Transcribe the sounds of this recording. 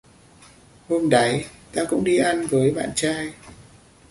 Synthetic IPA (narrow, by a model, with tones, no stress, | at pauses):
ho˧mɗa˨˦jt̪aː˧kʊ̰˧˥ŋ͡mɗi˧ʔa˧nvəː˨˦jɓa̰ː˧˨nt͡ɕaː˧j